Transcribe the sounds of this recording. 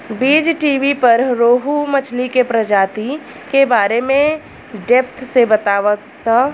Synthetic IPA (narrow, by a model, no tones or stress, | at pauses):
biːd͡ʒʈiːʋipɐɾɾoːɦumɐt͡ʃʰlikepɾəd͡ʒaːt̪i | kebaːɾemẽ | ɖɛpʰt̪ʰsebɐt̪aːʋə | t̪a